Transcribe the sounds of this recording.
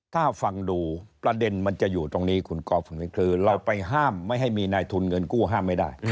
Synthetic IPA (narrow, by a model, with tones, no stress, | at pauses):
t̪ʰaː˥˩fa˧ŋduː˧pɾa˧de˧nma˧nt͡ɕa˨˩juː˨˩t̪o˧ŋniː˦˥kʰu˧nkɔː˧fo˨˦nwi˦˥˩kʰɾɯː˦˧ɾa˧wpa˧jɦaː˥˩mːa˥˩jɦa˥˩jmiː˧naː˧jt̪ʰu˧nŋɤ˧nkuː˥˩ɦaː˥˩mːa˥˩jda̰˥˩j